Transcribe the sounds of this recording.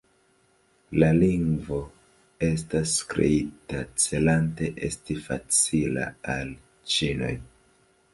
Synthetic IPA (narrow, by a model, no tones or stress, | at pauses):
laliŋɡvo̞ | e̞s̬tasːkɾḛitat͡se̞lante̞ʔe̞stifa̰t͡sila̰al | t͡ʃino̞̰j